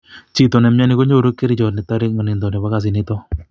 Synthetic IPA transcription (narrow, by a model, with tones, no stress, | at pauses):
t͡ʃi˨to˨nɛ˨mja˦nɪ˦ko˦ɲo˦˨ɾo˦kːe˦ɾɪ˦t͡ʃɔ˨tnɪ˨ta˦ɾɪ˦k̚ŋa˨nɪ˨nd̪ɔ˨nɛ˨βa˦ka˨s̬ɪ˨nɪ˦tɔ˦